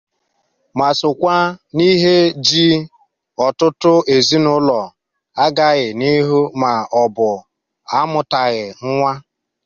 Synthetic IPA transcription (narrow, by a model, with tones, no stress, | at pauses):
ma˨sʊ˨kʷa˦ni˦ɦe˦d͡ʒi˦ | ɔ˨tʊ˦tʊ˦ʔe˨zi˦nʊ˦lɔ˨ | a˦ɡa˦ɣɪ˨ni˦ɦu˦ma˨ɔ˨bʊ˨ | a˦mʊ˨ta˨ɣɪ˨ŋ̩˦ŋʷa˦